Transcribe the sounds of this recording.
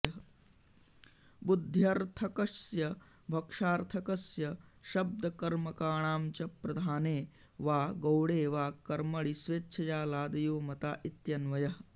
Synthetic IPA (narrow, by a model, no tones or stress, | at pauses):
ɐɦɐ | bud̪ʱjaɾt̪ʰɐkɐsjɐ | bʱɐkʂaːɾt̪ʰɐkɐsjɐʃɐb̚d̪ɐkɐɾmɐkaːɳaːmt͡ʃɐpɾɐd̪ʱaːneː | ʋaːɡɐwɽeːʋaːkɐɾmɐɭisʋeːtːʃʰɐjaːlaːd̪ɐjoːmɐt̪aːʔit̪jɐnʋɐjɐɦɐ